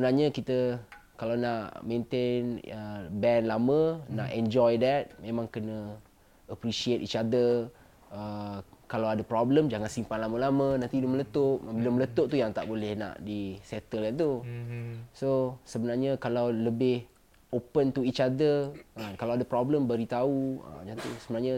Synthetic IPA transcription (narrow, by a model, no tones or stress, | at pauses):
səbənarɲəkit̪əkalawnaʔmẽnt̪enəbɛnlamə̃na̰ʔɛ̃nd͡ʒɔjdɛt̪̚mẽmãŋkənə | əpɾisiet̪it͡ʃadə | əkalawadəpɾɔbləmd͡ʒaŋansimpanlaməlamə̃nant̪idəmələt̪oʔbilamələt̪oʔt̪ujaŋt̪a̰ʔbolɛhna̰ʔdisɛt̪əlɡant̪u | sosəbənarɲəkalawləbɪh | opənt̪uit͡ʃadəəkalawadəpɾɔbləmbəɾit̪auə̰d͡ʒant̪usəbənaɲə